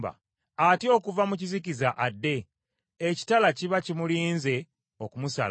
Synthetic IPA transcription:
ba̰ | atio̞kuvamucizikizaʔadːe̞ː | ci̥talaciβacimuliːnze̞ | okumusa̰l

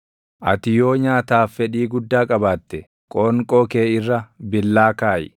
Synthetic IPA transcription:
ʔɐt̪ɪjo̞ːɲaːt̪aːfːɛᶑiːɡʊd̪ːaːkʼɐbaːt̪ːɛ | kʼoːŋkʼoːke̞ːɪrːɐbɪlːaːkaːjɪ

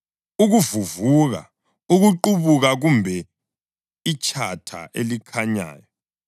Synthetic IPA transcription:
uɣuvuvuɣa̰ | uɣuǃuβuɣaɣumbʱɛ | it͡ʃʰʼatʰa̰ʔḛlikʰaɲa̰ːjɔ

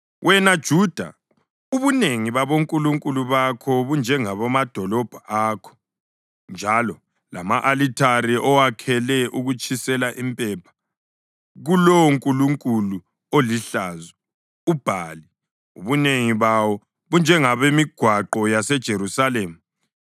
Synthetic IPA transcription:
wʔɛnad̥ʒ̥ʱud̥ʱa̰ | uβuneŋiβaβoŋkʼuluŋkʼuluβakʰɔβund͡ʒʱɛŋaβɔmad̥ʱɔlɔb̥ʱaʔaːkʰɔ̥ | nd͡ʒʱalɔ | la̰maʔalitʰaɾiʔɔwakʰɛlɛʔuɣut͡ʃʰʼisɛlaʔimpʼɛpʰḁ | ɣulɔŋkʼuluŋkʼulu | oliɬaːzɛ | ub̥ʱali | ṵβuneŋiβawɔ | βund͡ʒʱɛŋaβemiɡ̥ʱwaǃɔjasɛd̥ʒ̥ʱeɾusaleːmu

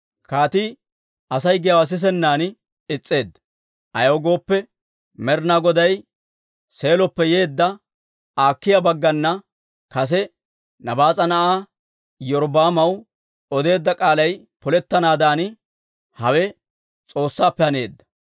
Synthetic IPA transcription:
kaːt̪i | ɐsɐjɡɪjɐwɐs̬ɪs̬ɛnːaːn | ɪt͡sʼːe̞ːd̪ːɐ̥ | ʔɐjɐwɡo̞ːpːɛ | mɛɾnaːɡɔd̪ɐj | se̞ːlɔpːɛje̞ːd̪ːɐ | aːkːɪjabɐɡːɐnːɐ | kɐs̬ɛ | nɐbaːt͡sʼɐnɐʔaː | jɔɾbaːmɐw | ɔd̪e̞ːd̪ːɐkʼaːlɐj | pɔlɛt̪ːɐnaːd̪aːn | hɐwɛ | t͡sʼo̞ːsːaːpːɛhɐne̞̰ːd̪ːɐ̥

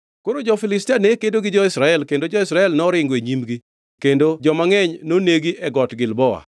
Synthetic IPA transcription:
koɾod͡ʒɔfɪlɪstanekedoɡɪd͡ʒɔɪsɾaɛlkendod͡ʒɔɪsɾaɛlnɔɾɪŋɡweɲimɡi | kendod͡ʒɔmaŋɛɲnoneɡiʔɛɡɔtɡɪlbɔa̰

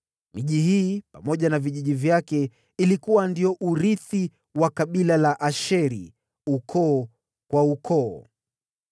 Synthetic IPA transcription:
miʄihiːpamɔʄanaviʄiʄivjakɛ | ilikuwandiɔʔuɾiθi | wakaɓilalaʔaʃɛɾḭ | ukʰɔː | kwaukʰɔː

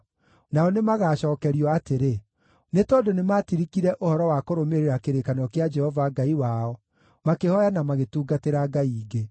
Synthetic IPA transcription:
naɔnemaɣaːɕɔːkɛɾiɔateɾe | netɔdonematiɾikiɾɛʔohɔɾɔwakoɾomeɾeɾakeɾekanɔkead͡ʒɛhɔvaɡaiwaɔ | makehɔjanamaɣetuːɡateɾaɡaiːɡe

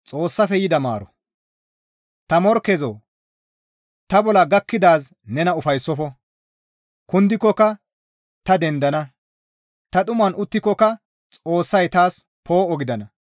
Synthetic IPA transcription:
t͡sʼo̞ːsːɐfɛjɪd̪ɐma̰ːɾɔ | t̪ɐmɔɾkɛzoː | t̪ɐbɔlɐɡɐkːɪd̪aːsnɛnɐʊfɐjsːɔfɔ | kʊnd̪ɪkːɔkːɐ | t̪ɐd̪ɛnd̪ɐnɐ | t̪ɐt̪ʼʊmɐnʊt̪ːɪkːɔkɐ | t͡sʼo̞ːsːɐjt̪aːs | pʰo̞ːɔɡɪd̪ɐnɐ

